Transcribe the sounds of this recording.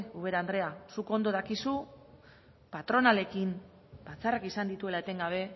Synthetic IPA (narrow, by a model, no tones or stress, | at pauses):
uβe̞ɾand̪ɾe̞asuko̞nd̪o̞ðakisu | pat̪ɾo̞nale̞kim | bat͡sarakisand̪it̪ue̞laet̪e̞ŋɡaβ̞e̞